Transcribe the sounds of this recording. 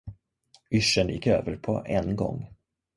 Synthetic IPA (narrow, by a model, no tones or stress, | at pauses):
ʏʂənjɪ̰kːø̰ːvəɾpʰɔʔɛnɡɔ̰ŋː